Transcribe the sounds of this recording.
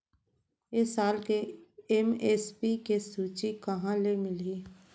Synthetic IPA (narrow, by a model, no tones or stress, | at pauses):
ɪsaːlkeɛmeːspikesuːt͡ʃikɐɦãlemɪli